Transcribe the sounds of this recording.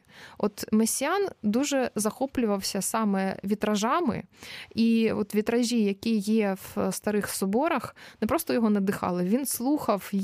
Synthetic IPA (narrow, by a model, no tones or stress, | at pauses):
ɔt̪mesʲjand̪uʒɛzɐxɔplʲʊʋɐwsʲɐsɑmɛʋʲit̪ɾɐʒɑmɪ̰iɔt̪ʋʲit̪ɾɐʒʲijɐkʲijɛwst̪ɐɾɪxsɔbɔɾɐxnɛpɾɔst̪ɔjɔɦɔnɛd̪ɪxɑ̰lˠɪʋʲinslˠuxɐw